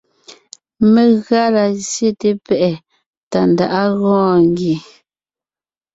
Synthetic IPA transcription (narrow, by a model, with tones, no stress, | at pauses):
me˨ɣa˦la˨sje˦te˦pɛ˨ʔɛ˨ | ta˨n˨da˨ʔa˦ɣɔ̃ː˦ŋ˦ɡi˨